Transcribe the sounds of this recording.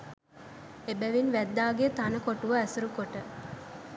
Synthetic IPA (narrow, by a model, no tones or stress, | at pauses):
ebæʋinʋæd̪ːaːɡet̪anəkoʈuʋəæsuɾukoʈə